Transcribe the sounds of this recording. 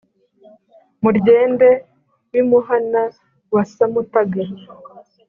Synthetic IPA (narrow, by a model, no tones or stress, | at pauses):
muɾɟe̞ːnde̞ | wimuɦana | wasamutaɡaɾi